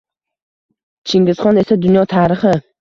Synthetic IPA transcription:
t͡ʃʰɪŋɡʲɪz̥χɒne̞sad̪ʊnjɒt̪ʰaːɾɪχɪ

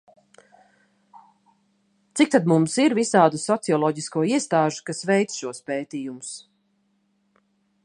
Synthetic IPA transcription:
t̪sik̚t̪ad̪mumsiɾvisaːd̪usɔt̪siɔlˠɔɟiskuɔiɛst̪aːʒu̥kasvɛjt̪sʃuɔspeːt̪iːjumʊs

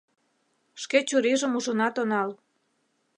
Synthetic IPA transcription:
ʃket͡ɕuɾiʒə̆muʒənɑt̪onɑl

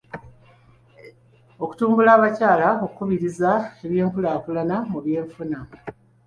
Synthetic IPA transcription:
o̞ku̥tuːmbulaːβacaːlaokukuβiɾizae̞βje̞ːŋkulaːkulanamuβje̞ːɱfuna

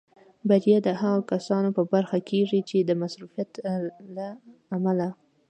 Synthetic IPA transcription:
baɾjad̪əhaɣokasɑnopəbaɾxakʰeʐit͡ʃed̪əmasɾufijat̪laːmala

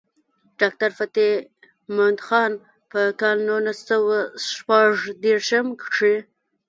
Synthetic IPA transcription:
ɖ̥ɑk̚t̪aɾfat̪i | mʊnd̪xɑn | pəkɑlnulasawaʃpaʐd̪eɾʃəmkʂe

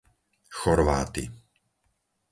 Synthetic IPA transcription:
xɔɾʋa̰ːt̪ḭ

